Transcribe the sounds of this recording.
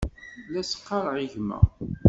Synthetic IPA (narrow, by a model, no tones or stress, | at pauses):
læsə̥qːɑɾˤʕiʝmæ̰